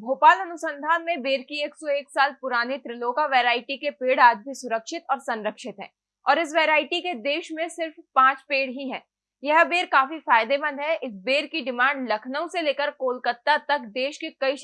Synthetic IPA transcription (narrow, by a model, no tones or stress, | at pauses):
bʱoːpaːlɐnʊsə̃nd̪ʱaːnmẽbeːɾkieːksɔeːksaːlpʊɾaːnet̪ɾɪlokaʋeːɾaːɪʈikepeːɽaːd͡ʒbʱisʊɾəkʃɪt̪ɔːɾsɐ̃nɾəkʃɪt̪ɦɛ̰̃ː | ɔːɾɪs̬ʋeːɾaːɪʈiked̪eːʃmẽsɪɾfpãːt͡ʃpeːɽɦiɦɛ̃ː | jɐɦbeːɾkaːfifaːjd̪ebə̃nd̪ɦɛʔɪsbeːɾkiɖɪmãːɳɖlɐkʰnəõseleːkəɾkoːlkət̪ːat̪ɐkd̪eːʃkekɐiʃ